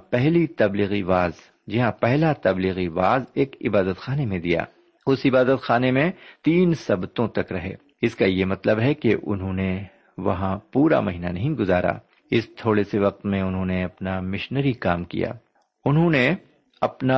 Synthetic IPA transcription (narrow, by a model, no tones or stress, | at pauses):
pɛɦlit̪ɐbliːɣiʋaːz | d͡ʒɪɦãpɛɦlat̪ɐbliːɣiʋaːzeːkɪbaːd̪ət̪xaːnemẽd̪ija̰ː | ʊsɪbaːd̪ət̪xaːnemẽt̪iːnsɐbt̪õt̪ɐkɾɐɦḛː | ɪskajemɐt̪ləbɦɛkeʔʊ̰nɦõne | ʋɐ̰ɦãpuːɾa̰mɐɦiːnanɐɦĩɡʊzaːɾa̰ː | ɪst̪ʰoːɽeseʋɐq̚t̪mẽʊnɦõːneɐpnamɪʃnəɾikaːmkḭja̰ː | ʊnɦõne | ɐpna